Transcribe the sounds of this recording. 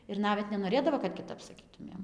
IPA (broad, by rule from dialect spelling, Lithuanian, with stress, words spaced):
ɪr ˈnɑːʋʲɛt nʲɛnoːˈrʲeːdɐʋoː kɐt kʲɪˈtɐp sɐˈkʲiːtʊmʲeːm